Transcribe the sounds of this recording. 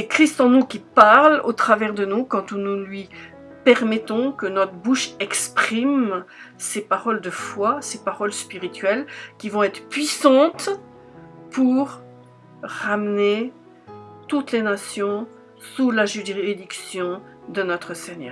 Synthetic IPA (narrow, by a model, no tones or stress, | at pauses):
sekχist̪ɑ̃nukʲipaʁlot̪χavɛʁd̪ənukɑ̃t̪unulɥi | pɛʁmɛt̪ɔ̃kənɔt̪χəbuʃɛkspχimsepaʁɔld̪əfwasepaʁɔlspiʁit̪ɥɛlkʲivɔ̃ɛt̪χəpɥisɑ̃t̪ | pʰuʁ | ʁamne | t̪ut̪lenasjɔ̃ | sulaʒyʁiʁiid̪iksjɔ̃ | d̪ənɔt̪χəseɲœ̰ːʁ